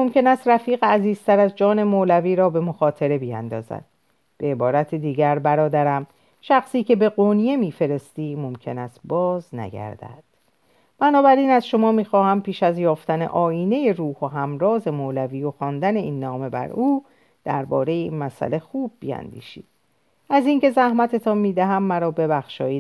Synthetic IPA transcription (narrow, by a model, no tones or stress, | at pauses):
mo̞mcʰe̞næst̪ræfiːɣeæziːzt̪ʰæɾæzd͡ʒɒːne̞molæviːɾɒːbe̞mo̞xɒːt̪ʰe̞ɾe̞bijæ̰nd̪ɒ̰ːzæ̰d̪̥ | b̥e̞ebɒːɾæt̪ʰed̪iːɟæɾbæɾɒːd̪æɾæm | ʃæxsiːcʰe̞be̞ɣonije̞miːfe̞ɾe̞st̪iːmo̞mcʰe̞næst̪bɒːznæ̰ɟæ̰ɾd̪̥æ̰d̪̥ | b̥ænɒːbæɾiːnæzʃo̞mɒːmiːxɒːhæmpiːʃæzjɒːft̪æne̞̰ʔɒːjiːne̞je̞ɾuːhoɦæmɾɒːze̞moːlæviːjoxɒːnd̪æne̞ʔiːnːɒːme̞bæ̰ɾuː | d̪̥æ̰ɾbɒːɾe̞jeinmæsæ̰le̞xuːb̚ːḭæ̰nd̪ḭːʃḭːd̪ | æziːŋce̞zæhmæt̪ʰe̞t̪ʰɒːnmiːd̪æɦæmːæɾɒːbe̞bæxʃɒːjiː